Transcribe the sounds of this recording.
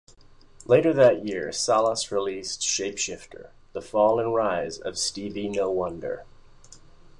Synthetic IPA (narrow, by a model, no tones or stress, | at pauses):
leɪɾə˞ðɨʔ̚jɪɹsælˠəsɹilistʃeɪpʃɪftʰə̰˞ | ðəfɔlˠə̃nɹaɪzʌ̰v̥stivinoʊwʌ̃ndə̰˞